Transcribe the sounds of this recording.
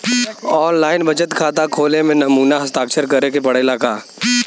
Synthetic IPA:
ɔːnlaːɪnbɐt͡ʃət̪kʰaːt̪akʰoːlemẽnɐmuːnaɦɐst̪aːkt͡ʃʰəɾkɐɾekepɐɽelaːkaː

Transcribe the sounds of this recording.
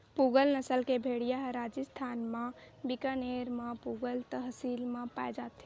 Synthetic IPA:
puɡəlnəsəlkebʱeɽijaɦɾad͡ʒəst̪ʰanmẽ | bikəneɾmepuɡəlt̪əɦsilmepaed͡ʒat̪

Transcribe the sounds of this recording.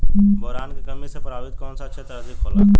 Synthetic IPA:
bɔɦɾaːnkikɐmisepɾaːbɪt̪kɔːnsaɐtːʃʰet̪ɐɾasikɦoːla

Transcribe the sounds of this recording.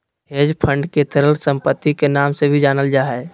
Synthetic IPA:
eːd͡ʒpʰə̃ɳɖket̪əɾəlsə̃mpət̪ːikenaːmsebʱid͡ʒaːnəld͡ʒaːɦɛː

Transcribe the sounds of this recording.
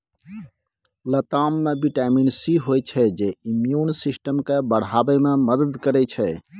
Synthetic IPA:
lət̪amːebiʈɛminsiɦojt͡ʃʰɛd͡ʒeimjunsisʈəmkebəɽ̤abɛmeməd̪əd̪kəɾɛt͡ʃʰɛ

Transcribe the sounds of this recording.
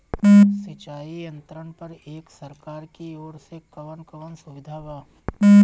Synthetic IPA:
sɪt͡ʃaːijə̃nt̪ɾəɳpɐɾeːksɐɾkaːɾkioːɾsekɐʋənkəʋənsʊʋɪd̪ʱaːʋaː

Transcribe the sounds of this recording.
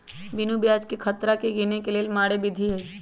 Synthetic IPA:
bɪnubjaːd͡ʒkekʰət̪ɾakeɡenekeleːlmaːɽebɪd̪ʱiɦɛː

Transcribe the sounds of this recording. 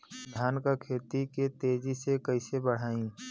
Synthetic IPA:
d̪ʱjaːnkakʰeːt̪iket̪eːd͡ʒisekəisebəɽ̤aːĩː

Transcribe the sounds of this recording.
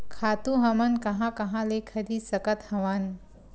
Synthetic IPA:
kʰat̪uɦɐmɐnkɐɦãkɐɦãlekʰəd̪iːsɐkət̪hɐʋan

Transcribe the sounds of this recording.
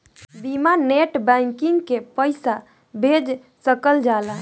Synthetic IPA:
bimaneʈbɛ̃ŋkiŋɡkepəjsa | bʱed͡ʒ | səkəld͡ʒala

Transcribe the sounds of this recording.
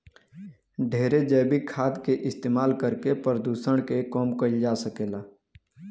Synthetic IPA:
ɖʱeːɾed͡ʒəːbɪkʰːaːd̪keʔɪst̪eːmaːlkəɾkepɾəd̪uːsəɽ̃kekɔːmkəid͡ʒaːsəkeːlaː

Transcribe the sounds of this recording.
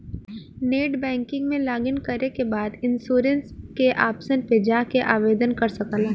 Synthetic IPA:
neːʈbɛ̃ːŋkɪ̃ŋɡmẽlaːɡənkɐɾekebaːd̪ɪ̃nsuːɾənskeʔaːpsənped͡ʒaːkeʔaːʋeːd̪ənkɐɾsɐkəlaː

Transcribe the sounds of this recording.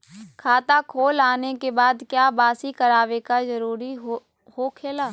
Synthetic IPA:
kʰaːt̪akʰoːlaːnekebaːd̪kjaːbaːsikəɾaːʋekazəɾuːɾi | hokʰeːlaː

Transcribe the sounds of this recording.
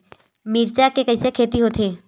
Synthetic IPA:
miːɾt͡ʃakekɐɦisekʰeːt̪iɦot̪ʰeː

